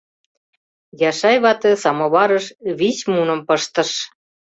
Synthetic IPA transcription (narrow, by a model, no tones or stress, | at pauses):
jɑʃɑjβɑt̪ĕsɑmoβɑɾəʃβismunə̆mpəʃt̪ə̆ʃ